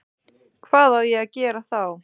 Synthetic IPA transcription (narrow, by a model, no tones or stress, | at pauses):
kʰvaːðawjɛɣaðcɛːɾaθaw